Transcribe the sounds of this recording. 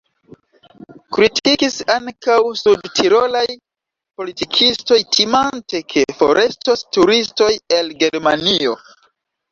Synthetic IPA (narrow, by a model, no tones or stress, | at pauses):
kɾitʰikisaŋkawsudtʰiɾolaj | po̞litikʰisto̞jtʰimante̞kʰe̞fo̞̰ɾʔe̞stostuɾisto̞je̞lɡe̞ɾmanio̞